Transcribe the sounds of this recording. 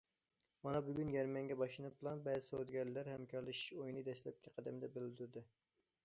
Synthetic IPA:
mɑnɑbyɡʲynjɛɾmɛŋɡʲɛbɑʃlˠɨnɨp̚bɨlˠɑnbɛːzɪsowd̪ɡʲɛɾlːæɾhɛmkʲʰɑɾlˠɨʃi̥ʃojnɨd̪ɛslɛp̚kʲʰɛqʰæd̪ɛmɪd̪ɛbɪld̪yɾd̪ɨ

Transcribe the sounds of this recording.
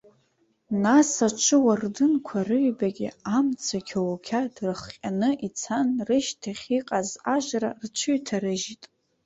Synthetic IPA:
nasat͡ʃʷʰɨwardɨnkʷʰarɨɥbaɡʲɪ̰amt͡sʰakʲʰawkʲʰadrɨχqʲʼanɨʔit͡sʰanrɨʃtʰaχʲiqʼazaʒʷrart͡ʃʷʰɨɥtʰaɾɨʒitʼ

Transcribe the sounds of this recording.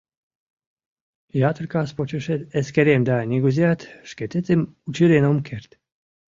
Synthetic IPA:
jat̪ɾʲkaspɔt͡ʃuʃɛt̪ɛskɛɾʲemd̪aːnʲiɡuziat̪ʃket̪et͡s̪emut͡ʃiɾenomkʰɛɾt̪

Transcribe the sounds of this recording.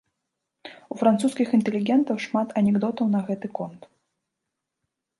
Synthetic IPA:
ufɾant̪suskʲixint̪ɛlʲiɣʲɛnt̪ɐwʂmat̪ɐnʲɛɡd̪ɔt̪ɐwnɐɣɛt̪ɨkɔnt̪

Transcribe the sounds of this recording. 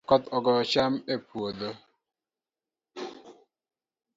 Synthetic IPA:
kɔt̪ɔɡɔt͡ʃamepwod̪o

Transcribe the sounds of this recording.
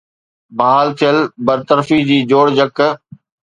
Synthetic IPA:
baɦaːlt̪ʰijəlbəɾt̪əɾfid͡ʑiːd͡ʑoːɽd͡ʑək

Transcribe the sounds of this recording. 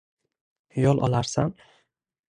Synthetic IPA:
jɒlˠʔɒ̰laɾsan

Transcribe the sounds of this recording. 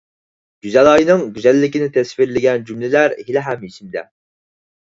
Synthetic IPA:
ɡ̥ʲyzɛlˠɑːjinɨŋɡʲyzɛlːɪkʲinɪt̪ʰɛsfiɾlɪɡʲɛnd͡ʒymlɪlæɾhilɛɦæmit͡ʃʰimd̪ɛ̰

